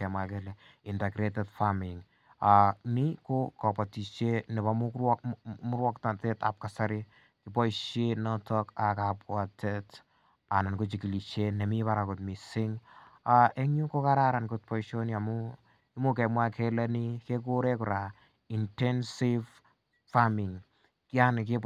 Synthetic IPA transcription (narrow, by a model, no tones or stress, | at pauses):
kɛmwakɛlɛ | intɛɡɾetɛtfamɪŋ | anikokɔpatiʃenɪbamʊkwɔkmʊɾwɔktateta̰p̚kasaɾɪ | kɪpɔiʃenɔtɔkakapwatʰɛt | anankot͡ʃikiliʃenɛmipaɾakotmisɪŋaɛŋɲukokaɾaɾankʊt̚pɔiʃoniamʊ | imokɛmwakʰɛlɛnikekoɾɛkʊɾa | intɛnsiv | famɪŋ | kianke